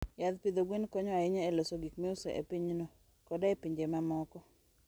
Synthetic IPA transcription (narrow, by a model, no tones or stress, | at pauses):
jad̪pid̪oɡwenkɔɲɔaɪɲaelosoɡikmeʊseʔḛpiɲno | kɔdaepiɲd͡ʒemamɔkɔ